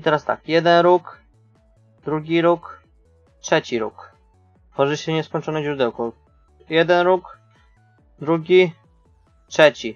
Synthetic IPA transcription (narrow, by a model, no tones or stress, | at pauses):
it̪ɛɾast̪a̰kjɛd̪ɛnɾuk | d̪ɾuɡʲiɾuk | tʂɛt͡ɕiɾṵk | t̪fɔʐɘɕɛvɲɛskɔɲt͡ʂɔnɛʑɾud̪ɛwkɔ | jɛd̪ɛnɾuk | d̪ɾuɡʲi | tʂɛt͡ɕi